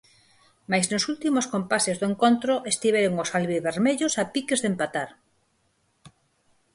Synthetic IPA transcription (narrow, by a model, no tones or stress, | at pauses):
majznosult̪imoskompasezðoeŋkont̪ɾoʔest̪iβ̞eɾoŋosalβiβeɾmeʎosapikezðempat̪aɾ